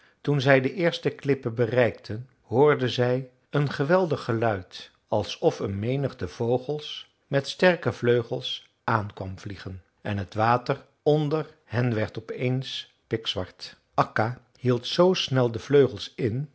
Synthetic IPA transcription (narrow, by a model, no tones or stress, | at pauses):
tunzɛjdəʔɪːɹstəklɪpəbərɛjktʰən | hʊːɹdənzɛj | ənχəʋɛlˠdəχəlœɥt | ɑlˠsɔfənmejnəχdəv̥owχəlˠs | mɛtstɛɹkəv̥løɥχəlˠs | ʔaːnkʋɑmv̥liχən | ʔɛnɦətʋaːtər | ɔndər | ɦɛnʋɛɹtɔpejns | pɪksʋɑɹt | ʔɑka | hilˠtsowsnɛlˠdəv̥løɥχəlˠsɪn